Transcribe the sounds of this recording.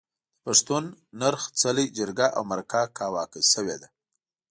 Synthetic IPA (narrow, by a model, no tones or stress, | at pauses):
paʂt̪unːaɾxt͡salijd͡ʒəɾɡaʔa̰wmaɾakɑkɑwɑkəsəwed̪a